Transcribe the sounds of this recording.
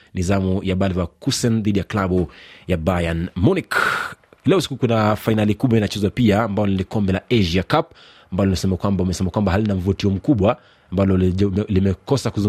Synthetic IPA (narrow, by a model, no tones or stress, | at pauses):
nizamujaɓalvakusɛnðiɗijaklaɓujabajanmɔnik | lɛɔsi̥kukunafainalikuɓwainat͡ʃɛzapiaːmbajɔnilikɔmbɛlaʔɛʒakap | ambalɔlinasɛmakwambaumɛsɛmakwambaɦalinam̩vutiɔm̩kuɓwa | mbalɔlimɛkɔsakuzu